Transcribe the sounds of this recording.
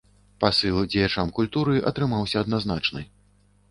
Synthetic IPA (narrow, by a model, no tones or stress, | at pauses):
pasɨlˠd͡zʲɛjat͡ʂamkulʲt̪uɾɨʔɐ̰t̪ɾɨmawsʲɐːd̪naznat͡ʂnɨ̰